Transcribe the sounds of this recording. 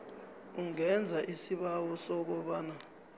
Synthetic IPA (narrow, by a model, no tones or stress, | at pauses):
uŋɛnd͡zʱaʔisiɓawɔsɔk̬ɔɓaːna